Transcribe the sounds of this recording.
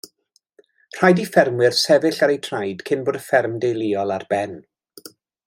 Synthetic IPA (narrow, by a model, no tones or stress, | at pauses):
r̥ajdifɛrmwɪrsɛvɪɬaɾejtʰrajd̥kʰɪnboːdəfɛrmdejlˠiːɔlˠarbɛn